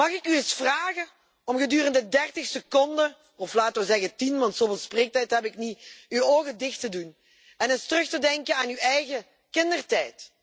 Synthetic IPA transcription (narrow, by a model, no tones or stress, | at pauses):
mɑxɪkyɪsfraːɣə | ɔmɣədyːrəndədɛrtɪxsəkɔndə | ɔflaːtəʋəzɛɣətinʋɑntsoːveːlˠspreːk̚tɛjtɦɛbɪkniywoːɣədɪxtədun | ɛnɪstərɵxtədɛŋkənaːnywɛjɣə | kɪndərtɛjt